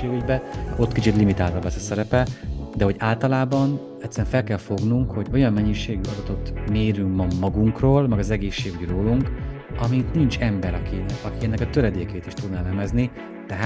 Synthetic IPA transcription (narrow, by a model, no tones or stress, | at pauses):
eːɡyɟbɛo̞t̪ːkit͡ʃit̪limit̪aːlt̪ɒbɛsɒsɛɾɛpɛd̪ɛɦo̞ɟaːlt̪ɒlaːbɒn | ɛct̪sːɛɾɛɱfɛlkɛlfo̞ɡnuŋkho̞ɟo̞jɒmːɛɲːiʃeːɡyɒd̪ɒt̪o̞t̪meːɾyŋkmɒmɒɡuŋkroːlmɛɡɒzɛɡeːʃːeːɡyɟroːluŋkɒmit̪nint͡ʃɛmbɛɾɒkiɒkiɛnːɛkɒt̪øɾɛd̪eːkeːt̪iʃt̪ud̪nɛlɛmɛzni | t̪ɛɦaː